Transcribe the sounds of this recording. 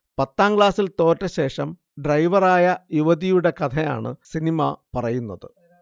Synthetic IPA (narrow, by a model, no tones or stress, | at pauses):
pɐt̪ːaːmɡɭaːsilt̪o̞ːtːɐɕe̞ːʂɐm | ɖrɐjʋɐraːjɐjuʋɐðijuɽe̞kɐt̪ʰɐja̰ːɳɨ̰sinimɐpɐrɐjunːɐðɨ